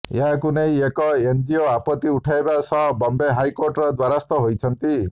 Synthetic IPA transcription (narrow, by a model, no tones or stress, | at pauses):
eɦakunejekɔend͡ʒioapɔt̪iuʈʰajebasɔɦbɔmbeɦajkoɾʈɔɾɔd̪waɾast̪ɔɦojt͡ʃʰɔnt̪i